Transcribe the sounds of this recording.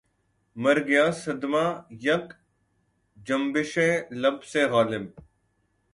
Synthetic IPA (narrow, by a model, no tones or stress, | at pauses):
mɐɾɡjaːsɐd̪maːjɐk | d͡ʒɐmbɪʃẽːlɐbseːɣaːlɪm